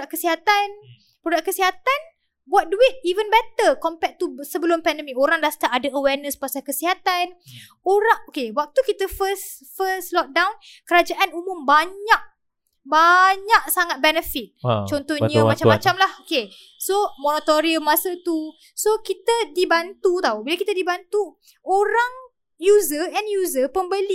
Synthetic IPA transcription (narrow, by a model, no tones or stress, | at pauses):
aʔkəsiɦat̪an | pɾodaʔkːəsiɦat̪an | buat̪̚duɪt̪̚ivənbɛt̪əkɔmpɛk̚t̪usəbəlʊmpɛndəmikoɾaŋdast̪aʔadaəwɛrnəspasakəsiɦat̪an | oɾaŋokewak̚t̪ukit̪əfəs | fəslɔk̚dawn | kəɾad͡ʒaʔanumʊmbaɲaʔ̚ | baɲaʔ̚saŋat̪̚bɛnəfit̪̚t͡ʃɔnt̪ɔhɲəmat͡ʃamat͡ʃamlahoke | somonat̪oɾiəmːasət̪u | sokit̪ədibant̪ut̪aubilakit̪adibant̪u | oɾaŋ | juzəɛnjuzəpəmbəli